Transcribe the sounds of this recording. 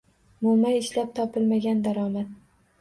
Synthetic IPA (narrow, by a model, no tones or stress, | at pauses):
mʊmajɪʃlap̚t̪ʰɒpʰɪlmaɡʲand̪aɾɒmat̪